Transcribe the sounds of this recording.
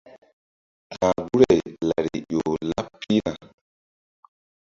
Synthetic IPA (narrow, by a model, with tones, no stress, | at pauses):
tã˨ɡu˦ɾɛ˨jla˨ɾḭ˨ʄo˨la˦pʰːi˦ɾa˨